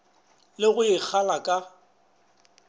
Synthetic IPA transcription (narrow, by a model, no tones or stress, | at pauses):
lɪɣʊɪk͡xʰalakʼa